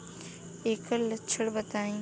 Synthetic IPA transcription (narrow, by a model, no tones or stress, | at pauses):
eːkəlt͡ʃʰəɽbət̪aːĩ